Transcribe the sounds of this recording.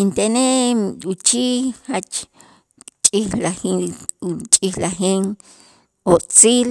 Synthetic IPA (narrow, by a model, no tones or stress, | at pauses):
int̪eneut͡ʃiːhat͡ʃ | t͡ʃʼixlaxi | t͡ʃʼixlaxeŋ | ot͡siːl